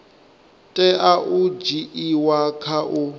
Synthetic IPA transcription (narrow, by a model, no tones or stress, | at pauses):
tʼɛʔaʔud͡ʒiʔiwakʰaʔu